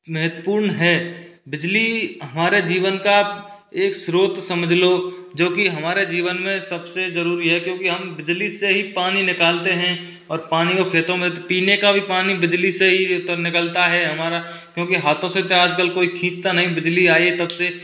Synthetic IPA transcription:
mɛɦət̪wəpuːɾnɦɛːbɪd͡ʒliɦɐmaːɾed͡ʒiːʋənka | eːksɾoːt̪sɐməd͡ʒʱlod͡ʒoːkiɦɐmaːɾed͡ʒiːʋənmẽsɐbsezəɾuːɾiɦɛkjõːkiɦɐmbɪd͡ʒliseɦipaːninɪkaːlt̪eɦɛ̃ | ɔːɾpaːnikokʰeːt̪õmẽt̪piːnekabʱipaːnibɪd͡ʒliseɦiʊt̪ənɪkəlt̪aɦɛɦɐmaːɾa | kjõːkiɦaːt̪ʰõset̪eaːd͡ʒkəlkoːikʰĩːt͡ʃt̪anɐɦĩbɪd͡ʒliaːiet̪ɐbse

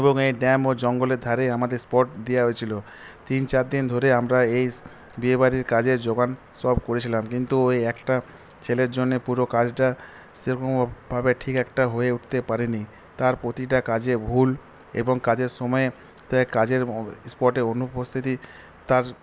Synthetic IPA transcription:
eboŋejɖɛmod͡ʑɔŋɡoleɾd̪ʱaɾeamad̪eɾspɔʈd̪ijaɦojet͡ɕʰilo | t̪int͡ɕaɾd̪ind̪ʱoɾeamɾaej | biebaɾiɾkad͡ʑeɾd͡ʑoɡan | sɔbkoɾet͡ɕʰilamkint̪uojɛkʈa | t͡ɕʰeleɾd͡ʑonːepuɾokad͡ʑʈa | sikombʱabeʈʰikɛkʈaɦoeuʈʰt̪epaɾini | t̪aɾpɾot̪iʈ̬akad͡ʑebʱul | ḛboŋkad͡ʑeɾʃɔmɔe | t̪akad͡ʑeɾspɔʈeɾonupost̪ʰit̪i | t̪aɾ

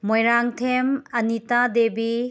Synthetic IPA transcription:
mojɾaŋtʰemɐnitadebi

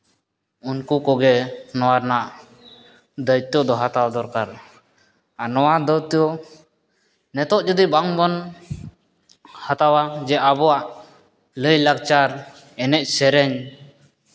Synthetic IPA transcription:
unkukɔɡɛnɔwaɾnaʔ | d̪əjt̪ɔd̪ɔɦat̪awad̪ɔɾkaɾ | anɔwad̪ɔt̪jɔ | nɛt̪ɔʔd͡ʒud̪ibaŋbɔn | hat̪awad͡ʒɛʔabɔaʔ | ləjlaɡt͡ʃaɾ | ɛnɛʔ̚sɛɾɛɲ

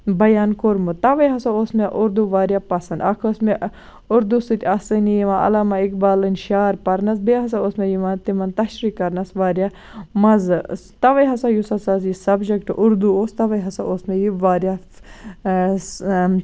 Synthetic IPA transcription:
bɐjaːnkoɾmut̪ɐʋɐjɦɐsaoːsmeʔʊɾd̪uʋaːɾjaːpɐsɐnd̪ɐkʰɐsme | ʊɾd̪usɨt̪ʰʲɐsɐnijiʋãʔɐ̰lamɐikbaːlɐnʲʃaːɾpɐɾnɐs̬beːɦɐs̬aoːsmejiʋɐnt̪imɐnt̪ɐʃɾikːɐɾnɐsʋaːɾʲja | mɐzɨ | t̪ɐʋɐjɦɐsajusɐsaz̬isɐbd͡ʒekʈʔʊɾd̪uoːst̪ɐʋɐjɦɐsaoːsmejiʋaːɾja

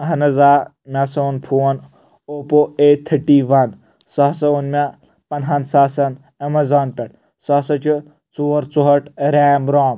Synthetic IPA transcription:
ɐɦɐnɐzaː | mʲasɐnpʰuːn | oːpoet̪ʰːɐʈiʋɐn | sɔːsɐunmʲa | pɐnɦɐnsaːsɐn | ɐmɐzaːnpʲɐʈ̚ | sɔːsɐt͡ʃʰu | t͡soːɾt͡soɦɐʈʰɾeːmɾɔːm

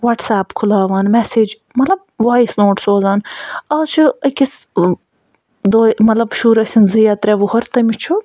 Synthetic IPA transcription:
ʋɐʈsaːpkʰulaːʋaːnmɛseːd͡ʒ | mɐt̪lɐb̚ʋaːisnoːʈsoːzaːnɐlt͡ʃʰiɐkʲis | d̪oːmɐt̪lɐbʃuːɾɐsʲinzijaːt̪ɾʲeʋuhɐɾt̪ɐmit͡ʃʰu

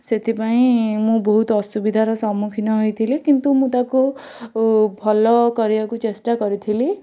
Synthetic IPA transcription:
set̪ʰipaĩmũbɔɦut̪ɔsubid̪ʱaɾɔsɔmukʰinɔɦojt̪ʰilikint̪umũt̪aku | bʱɔlɔkɔɾiakut͡ʃesʈakɔɾit̪ʰili

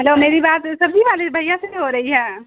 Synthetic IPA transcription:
ɦɛloːmeːɾibaːt̪sɐbiʋaːlebʱɐjãseiɦoɾɐɦiɦɛ̃ː

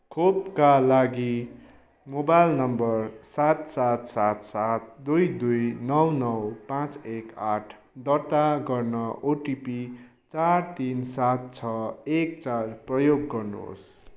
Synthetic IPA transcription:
kʰopkalaɡi | mobajlnʌmbʌrsat̪sat̪sat̪sat̪̚d̪ujd̪ujnʌwnʌwpãt͡sekaʈʰ | d̪ʌrt̪aɡʌrnʌʔoʈipi | t͡sart̪insat̪̚t͡sʰʌekt͡sarprʌjoɡːʌrnṵɦo̰s

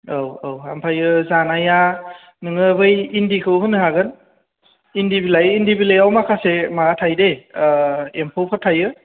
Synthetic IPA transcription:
owowhampʰajɯzanaja | nɯŋɯbɯjindikʰɯwɦɯnːɯɦaɡɯn | indibilajindibilajawmakʰasemaatʰajde | empʰowpʰatʰajɯ

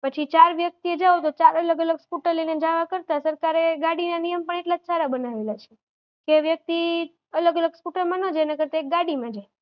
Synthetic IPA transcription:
pət͡ʃʰit͡ʃaɾʋjək̚t̪ied͡ʒaot̪ot͡ʃaɾələɡələɡspuʈəlined͡ʒaʋakəɾt̪asəɾkaɾeɡaɽinanijəmpəɳeʈlad͡ʒsaɾabənaʋelat͡ʃʰe̥ | keʋjək̚t̪i | ələɡələɡspuʈəlmãnəd͡ʒenekəɾt̪aek̚ɡaɽimãd͡ʒaj

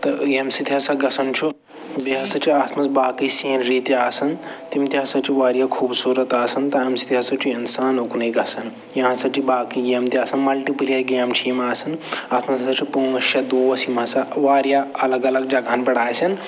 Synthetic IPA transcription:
t̪ɐɐmsid̪ʱasɐɡɐsʰɐnt͡ʃʰu | biɦasɐt͡ʃʰiaːt̪ʰmɐsbaːkiseːnɾiːt̪iaːsɐnt̪imt̪iɦasɐbt͡ʃʰiʋaːɾijakʰuːbsuɾɐt̪aːsɐnt̪ɐɦɐmsi̥t̪iasɐbt͡ʃʰiɐnsaːnɦoknɐjɡɐsɐn | jɐɦãsɐb̚t͡ʃʰibaːkiɡeːmt̪iaːsɐnmɐlʈiplijaɡeːmt͡ʃʰimaːsɐnaːt̪ʰmɐssɐt͡ʃʰipuɐʃjɐd̪uːʋɐsimɐ̃sɐʋaːɾijaɐləɡɐləɡ̚d͡ʒaɡʱaːnbɐɽaːjsʰɐn

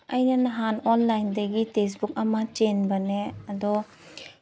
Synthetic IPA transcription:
ɐjnɐnɐɦanonlajndɐɡites̬buk̚ɐmɐt͡ʃenbɐneɐd̪ɔ

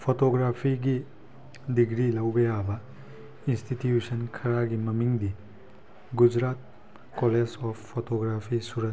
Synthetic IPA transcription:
pʰotoɡɾapʰiɡi | diɡɾilɐwɡɐjabɐ | institjusɐnkʰɐɾaɡimɐmiŋdi | ɡud͡ʒɾat̚ | koled͡ʒɔpʰpʰːotoɡɾapʰisuɾɐ

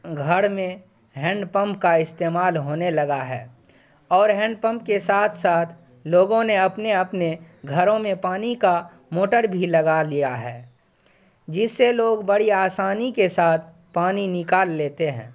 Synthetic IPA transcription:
ɡʱəɽmẽ | ɦɛ̃ɳɖpə̃mpkaɪst̪eːmaːlɦoːnelɐɡaɦɛ̰ː | ɔːɾɦɛ̃ɳɖ̚pə̃mp̚kesaːt̪ʰsaːt̪ʰ | loːɡõneɐpneɐpneɡʱəɾõmẽpaːnika | moːʈəɾbʱiləɡalijaɦɛː | d͡ʒɪsːeloːɡbəɽiaːsaːnikesaːt̪̚ʰ | paːninɪkaːlːeːt̪eɦɛ̰̃ː

